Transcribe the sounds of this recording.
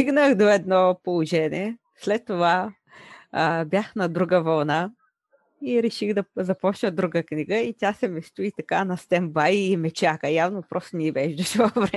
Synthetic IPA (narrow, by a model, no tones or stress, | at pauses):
iɡnəxd̪oɛd̪nɔpolˠoʒɛnḭɛ | slɛt̪ːova | bʲjaxnɐd̪ɾuɡəvɐlˠna | iɾɛʃixd̪ɐzɐpɔt͡ʃnəd̪ɾuɡəkniɡəit̪ʲjasɛmɛst̪uit̪ɐkanɐst̪ɛmbajimɛt͡ʃakəjavnopɾɔst̪onʲiibɛʒd̪ɐʃɛvɐvɾɛ